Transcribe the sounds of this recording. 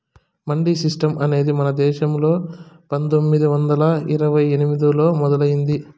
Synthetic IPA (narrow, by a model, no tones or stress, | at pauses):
mɐɳɖisisʈɐmʔɐne̞ːd̪imɐnɐd̪ɛːʃɐmlo̞ː | pɐnt̪omːid̪iʋɐnd̪ɐlɐiɾɐʋɐjenimid̪ilo̞ːmɔd̪ɐlɐjind̪i